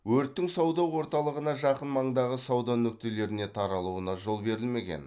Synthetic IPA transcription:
wɵɾt̪ːɪŋsɑwd̪ɑwːo̞ɾt̪ɑlˠəʁənɑʒɑqənmɑɴd̪ɑʁəsɑwd̪ɑnɵk̚t̪e̞le̞ɾɪne̞t̪ʰɑɾɑlˠuənɑʒo̞lˠbe̞ɾɪlme̞ɡʲe̞̰n

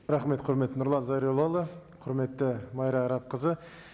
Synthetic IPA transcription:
ɾɑχme̞t̪qʰʊɾmet̪ːɪnʊɾlˠɑnzɑjɾolˠɑlˠəqʰʊɾme̞t̪ːɪmɑjɾɑɾɑp̚qʰəzə

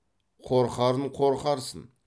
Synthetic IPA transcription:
qʰoɾqɑɾəɴqʰoɾqɑɾsə̰n

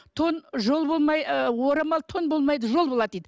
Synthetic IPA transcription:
t̪ʰonʒolˠbolˠmɑjəwoɾɑmɑlˠt̪ʰo̞nbo̞lˠmɑjd̪əʒo̞lˠbolˠɑd̪ejd̪ɪ

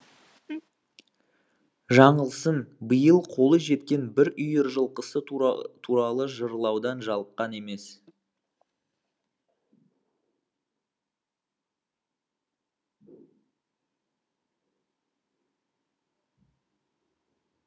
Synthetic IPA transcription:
ʒɑɴəlˠsənbəjəlˠqʰo̞lˠəʒe̞t̪kʲe̞nbɪɾʏjəɾʒəlˠqəsət̪ʰuɾɑlˠəʒəɾəlˠɑwd̪ɑnʒɑlˠəp̚qɑne̞me̞s

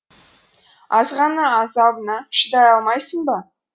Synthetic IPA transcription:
ɑzʁɑnəːzɑbənɑʃəd̪ɑjɑlˠmɑjsəɴbɑ

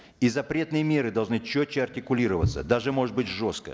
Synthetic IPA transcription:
izɐpɾʲe̞t̪nɨjəmʲe̞ɾɨd̪ɐlˠʐnɨt͡ɕːot͡ɕːɪɐrtʲɪkʊlʲiɾəvə̰t̪sːə̰d̪aʐɨmo̞ʐɨt̪̚bɨtʲʐo̞skə̰

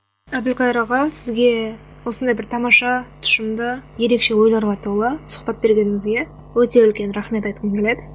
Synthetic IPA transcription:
æbɪlkɑjɾɑʁɑsɪzɡʲe̞ | wo̞sənd̪ɑjbɪɾt̪ʰɑmɑʃɑt̪ʰʊ̥ʃəmd̪əje̞ɾe̞kʃe̞wo̞jlˠɑɾʁɑt̪ʰulˠəsʊ̥χpɑt̪̚be̞ɾɡʲe̞nɪŋɪzɡʲe̞ | wɵt̪e̞ʏlkʲe̞nɾɑχme̞t̪ɑjt̪qəmkʲe̞le̞d̪ɪ

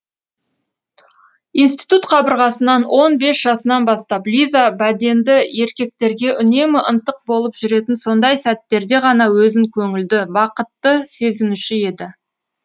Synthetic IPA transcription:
inst̪ijt̪ut̪qʰɑbəɾʁɑsənɑnwʔo̞nbe̞sʒ̥ɑsənɑnbɑst̪ɑplʲizabæd̪e̞nd̪ɪe̞ɾkʲe̞k̚t̪e̞ɾɡʲe̞ʔʏne̞mɪʔənt̪əq̚bo̞lˠəpʒʏɾe̞t̪ɪnso̞nd̪ɑjsæt̪ːe̞ɾd̪e̞ʁɑnɑwɵzɪŋkʲʰɵŋɪld̪ɪbɑqət̪ːəse̞zɪmʉʃɪe̞d̪ɪ

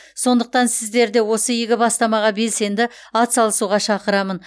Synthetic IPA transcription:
so̞nd̪əq̚t̪ɑnsɪzd̪e̞ɾd̪e̞wo̞səjeɡʲɪbɑst̪ɑmɑʁɑbe̞lse̞nd̪ɪ | ɑt̪sɑlˠəsuʁɑʃɑqəɾɑmən

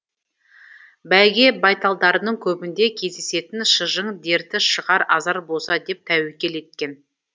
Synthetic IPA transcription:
bælɡʲe̞bɑjt̪ɑlˠd̪ɑɾənəɴkʲʰɵbɪnd̪e̞kʲʰe̞zd̪e̞se̞t̪ɪnʃəʒəɴd̪e̞ɾt̪ɪʃəʁɑɾɑzɑɾbo̞sɑd̪e̞p̚t̪ʰæwekʲe̞le̞t̪̚kʲe̞n

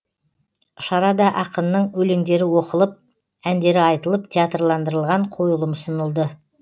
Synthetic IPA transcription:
ʃɑɾɑd̪ɑʔɑqənːəɴwɵle̞ŋd̪e̞ɾɪwo̞qəlˠəp̚ | ænd̪e̞ɾɪɑjt̪əlˠəp̚t̪ʲʰeat̪rlˠɑnd̪əɾəlˠʁɑɴqʰo̞jəlˠəmsənəlˠd̪ə

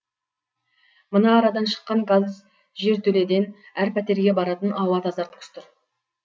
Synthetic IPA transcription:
mənɑːɾɑd̪ɑnʃə̥qːɑŋɡaz | ʒe̞ɾt̪ʰɵle̞d̪e̞næɾpʰæt̪e̞ɾɡʲe̞bɑɾɑt̪ənɑwɑt̪ɑzɑɾt̪kʰʏ̥st̪ʊɾ

